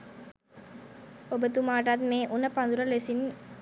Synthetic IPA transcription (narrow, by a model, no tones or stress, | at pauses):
obət̪umaːʈat̪meːʔunɐpɐnd̪uɾɐlesin